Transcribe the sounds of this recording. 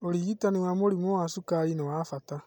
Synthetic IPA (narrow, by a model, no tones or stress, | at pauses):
oɾiɣitanewamoɾimowasukainawafata